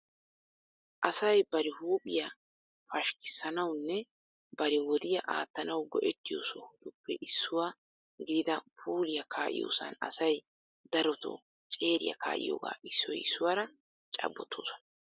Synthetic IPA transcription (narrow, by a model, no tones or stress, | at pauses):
ʔɐsɐjbɐɾɪhuːpʼɪja | fɐʃkɪ̥sɐnɐwnːɛ | bɐɾɪwɔd̪ɪjɐʔa̰ːt̪ːɐnɐwɡɔʔɛt̪ːɪjo̰ːsɔhʊd̪ʊpːɛʔɪsːʊwa | ɡɪd̪ɪd̪ɐpʰuːlɪjɐkʰaːʔɪ̰jo̰ːsɐ̰nɐ̰sɐj | d̪ɐɾɔt̪o̰ | t͡ʃʼe̞ːɾɪ̰jɐ̰ka̰ːʔɪ̰jo̰ːɡa̰ːʔɪsːɔjɪsːʊwaːɾɐ | t͡ʃʼɐ̰bːɔt̪ʰːo̰ːsɔ̥nɐ